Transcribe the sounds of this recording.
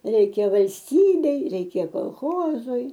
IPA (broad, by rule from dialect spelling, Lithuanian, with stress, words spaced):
ˈrʲɛɪkʲɛ ʋɐlʲsʲˈtʲiːbʲɛɪ ˈrʲɛɪkʲɛ koːlˠˈxoːzʊɪ